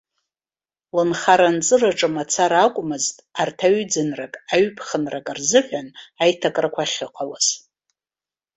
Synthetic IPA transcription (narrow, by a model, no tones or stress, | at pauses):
lɨnχaɾant͡sʼɨraʈ͡ʂʼɨmat͡sʰaɾakʷʼmɨztʼartʰaɥd͡zɨnrakʼaɥpʰχənrakʼarzɨħʷᶣanajtʰakʼrakʷʰaχʲɪqʼʰalaz